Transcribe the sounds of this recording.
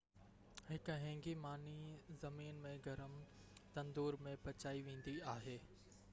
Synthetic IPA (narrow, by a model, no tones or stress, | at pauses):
hɪkɦɛ̃ːŋɡimaːnizɐmiːnmẽɡʱɐɾəm | t̪ɐ̃nd̪uːɾmẽpɐt͡ɕaːiʋẽːn̆d̪iaːɦeː